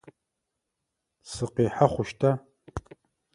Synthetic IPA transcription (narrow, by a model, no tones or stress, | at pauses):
sɨqiːħaχʷʊʃtʰaː